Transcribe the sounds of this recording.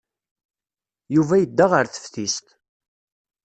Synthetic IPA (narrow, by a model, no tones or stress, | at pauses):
juvæjəd̪ːaʁəɾθə̥fθist̪